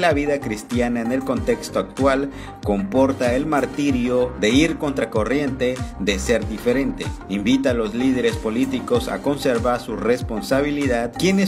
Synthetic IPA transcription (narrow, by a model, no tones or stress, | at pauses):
laβiðakɾist̪janaene̞lko̞nt̪e̞kst̪oak̚t̪wal | ko̞mpo̞ɾt̪aelmaɾt̪iɾjoðe̞iɾko̞nt̪ɾako̞rje̞nt̪e̞ðe̞se̞ɾd̪ife̞ɾe̞nt̪e̞̰imbit̪alo̞zlið̞e̞ɾe̞spo̞lit̪iko̞sa̰ko̞nse̞ɾβaɾsurespo̞nsaβ̞iliðaðkjene